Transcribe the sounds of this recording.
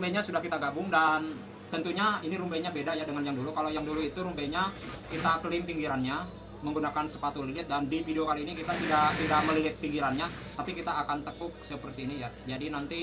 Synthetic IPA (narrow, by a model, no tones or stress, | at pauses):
rumbeɲasudahkit̪aɡabʊŋdan | t̪ənt̪uɲainiɾumbɛɲabedajadəŋanjaŋdulukalajaŋduluit̪uɾumbɛɲakit̪akəlɪmpiŋɡiɾanɲa | məŋɡunakansəpat̪ulilɪt̪̚dandifideokaliːnikit̪at̪idat̪idaʔməlilɪt̪̚piŋɡiɾanɲa | t̪apikit̪aːkant̪əkʊk̚səpərt̪iːnijad͡ʒadinant̪i